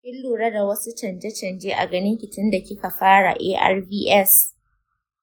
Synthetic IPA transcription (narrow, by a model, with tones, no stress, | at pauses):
kʲɪ˦lːuː˨ɽɐ˦da˨wɐ˦su˦t͡ʃɐ˨nd͡ʒɛ˦t͡ʃɐ˨nd͡ʒeː˦ʔa̰˨ɡɐ˦nɪ˦ŋkʲɪ˨tɪ˦nda˨kʲɪ˦ka˨ɸaː˦ɽa̰˨ʔeː˦ʔa̰˦rbiː˦ʔɛ˦s